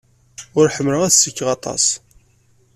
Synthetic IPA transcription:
ʊɾħəmːləæðsəkːʁɑt̪ˤɑ̰s

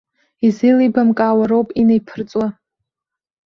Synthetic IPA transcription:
izɨlibamkʼaːwaɾowpʼinejpʰɨrt͡sʼwa

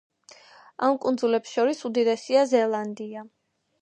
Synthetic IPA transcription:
amkʼund̪zulɛpsʃɔɾisud̪id̪ɛsiazɛlˠand̪ia

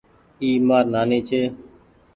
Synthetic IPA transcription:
iːmaːɾnaːneːt͡ʃʰeː

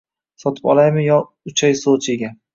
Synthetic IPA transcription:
sɒt̪ʰɪ̥pɒ̰lˠajmɪjɒ | ʊt͡ʃʰajsolˠt͡ʃʰeɡʲan

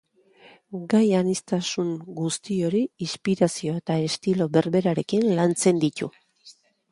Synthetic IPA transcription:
ɡajanist̪asuŋɡust̪io̞ɾiispiɾasio̞e̞t̪aest̪ilo̞βe̞ɾβe̞ɾaɾe̞kinlant͡se̞nd̪it̪ṵ

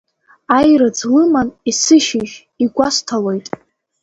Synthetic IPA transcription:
ajrad͡zlɨmanisɨʃɪʒ | iɡʷastʰalo̞jtʼ

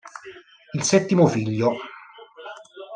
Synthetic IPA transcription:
ilsɛt̪ːimofiʎːo

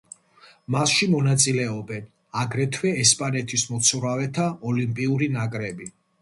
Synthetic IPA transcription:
masʃimɔnat̪sʼilɛɔbɛn | aɡɾɛt̪ʰwɛːspʼanɛt̪ʰismɔt̪sʰuɾavɛt̪ʰaɔlimpʼiuɾinakʼɾɛbi

